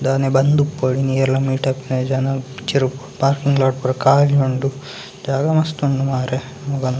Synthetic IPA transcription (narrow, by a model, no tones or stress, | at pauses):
d̪aːnebɐnd̪upːoɽiniɛlːɐmiːʈɐpːined͡ʒɐnɐt͡ʃiɾupaːɾkiŋɡlaːʈpuɾɐkaːlioɳɖu | d͡ʒaːɡɐmɐst̪uɳɖumaːɾe | muɡɐn